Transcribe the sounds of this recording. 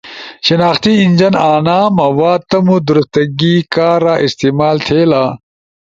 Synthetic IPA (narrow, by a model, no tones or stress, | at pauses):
ɕinaːxt̪iinʲd͡ʑɐnaːnaːmɐwaːd̪̚t̪ɐmud̪uɾust̪ɐɡiːkaːɾaːʔist̪iːmaːlt̪ʰeːlaː